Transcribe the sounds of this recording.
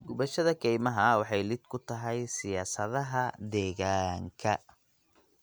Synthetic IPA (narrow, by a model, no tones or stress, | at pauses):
ɡʊβɐʃɐðɐkʰɛjmɐɦɐwɑħɑjlɪd̪̚kʰʊt̪ʰɐɦɛjsɪjaːsɐðɐɦɐd̪ɛːɣaːŋkʰɐ̰